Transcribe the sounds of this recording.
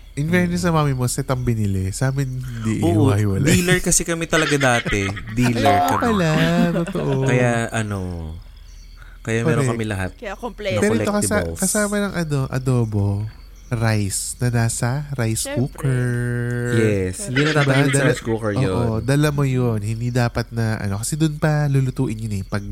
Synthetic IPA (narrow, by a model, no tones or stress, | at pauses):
ʔɪnvɛɹnɪs̬ɐmaːmɪmosɛt̪ɐmbɪnɪlɛsaːmɪnhɪnd̪iʔɪ̰ojːokɐhɪwɐlaiːlɛɹkɐsɛkɐmɛt̪ɐlɐɡad̪aːt̪ɛd̪iːlɛɹkɐmwɐlat̪ot̪oʔokɐjaʔɐno | kɐjampɐɛːɾokɐmɪlɐɦat̪̚ɐpɛːɾoɪlɛokɐsakɐsaːmɐnɐŋʔɐno̞ʔɐ̰d̪o̞ːbo̞ | ɾajsnɐnaːsɐɾajskuːkɛɹjɛshɪnd̪inɐt̪aːb̪ad̪ɐaskuːkɛɹʔoːoʔod̪ɐlɐmojonhɪnd̪id̪aːpɐt̪̚nɐʔɐ̰no̞kɐsɛd̪ʊnpɐlulʊt̪uːʔɪnjonɛpɐɡ̚